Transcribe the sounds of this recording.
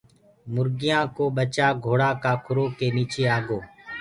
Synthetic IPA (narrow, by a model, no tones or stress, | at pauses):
mʊɾɡɪjãːkoːɓət͡ʃaːɡʱoːɽaːkaːkʰʊɾoːkeːniːt͡ʃeːaːɡoː